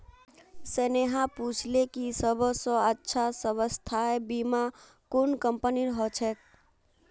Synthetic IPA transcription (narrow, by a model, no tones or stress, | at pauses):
seneɦãput͡ʃʰlekisəbʱsɔ̃ətːʃʰasəbəst̪ʰaebima | kunkəmpəniɾɦɔt͡ʃʰɛk